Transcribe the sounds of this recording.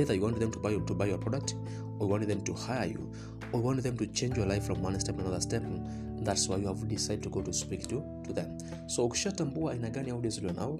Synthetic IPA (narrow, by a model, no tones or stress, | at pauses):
iðə˞juwɑ̃ntðɛ̃mtʰubajtubaɪjɔ˞pʰɹ̥ɔɾək̚t | ɔjuwɑ̃ntðɛ̃mtuhaɪəjṵ | ɔjuwɑ̃ntðɛ̃mtut͡ʃẽɪ̃nd͡ʒjɔ˞laɪfɹɔ̃mwʌ̃nstɛpnə̃nʌðə˞stɛp | ðatswaɪjuavdisaɪdəd̚tʰuɡoʊtuspiktu | tʰuðɛ̃m | soʊkʃatãmbuaʔĩnaɡãnihaʊdizləna̰ʊ